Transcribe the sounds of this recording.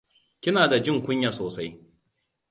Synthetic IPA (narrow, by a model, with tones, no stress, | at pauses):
kʲɪ˦naː˨da˨d͡ʒɪ˦˨ŋkʷʊ˦ɲja˨soː˨sa˦j